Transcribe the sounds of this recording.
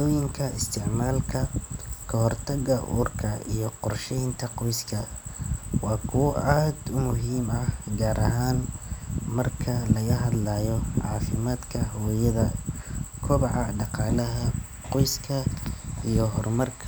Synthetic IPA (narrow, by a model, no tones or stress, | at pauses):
ɔːjɪŋkʰɐɪst̪ʰɪʕmaːlkʰɐkʰɐɦɔrt̪ʰɐɣɐʔṵːrkʰɐijɔqɔrʃɛjnt̪ʰɐqɔjskʰɐ | wɑːkʰʊwɔʔaːd̪ʊmʊɦiːmɐhɡaːɾʔɐɦaːn | mɐrkʰɐlɐɣɐɦɐd̪lɐːjɔʕɑ̰ːfɪmaːd̪kʰɐhɔːjɐðɐ | kʰʊβɑʕɑɖɑqɑːlɐɦɐ | qɔjskʰɐijɔɦɔrmɐrkʰ